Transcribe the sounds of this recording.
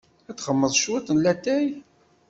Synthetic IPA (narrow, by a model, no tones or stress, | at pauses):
ætːχəmːəðˤʃwæt̪ːənlæt̪ːæj